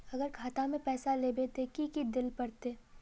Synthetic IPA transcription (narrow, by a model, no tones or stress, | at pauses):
ɐɡəɾkʰaːt̪amẽpɛːsaleːbet̪ekikid̪ɪlpɐɾt̪eː